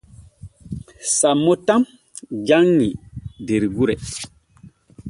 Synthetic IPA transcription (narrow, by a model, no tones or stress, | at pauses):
samːotãm | d͡ʒaŋːideɾiɡuɾɛ